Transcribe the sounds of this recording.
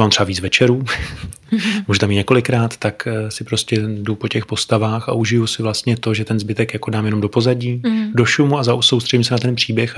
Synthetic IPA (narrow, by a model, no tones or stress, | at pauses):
maːmr̥ɛvaviːt͡svɛt͡ʃɛɾuː | muːʒut̪amit̪ɲɛko̞lɪkɾaːt̪ːaksɪpɾo̞scɛdupo̞cɛxpo̞st̪avaːxa̰ʔuʒɪjusɪvlast̪ɲɛt̪o̞ʒɛt̪ɛnzbɪt̪ɛkjako̞daːmjɛno̞mdo̞po̞zaɟiːdo̞ʃumuazaso̞wst̪r̥ɛɟimsɛnat̪ɛnpr̥iːbjɛx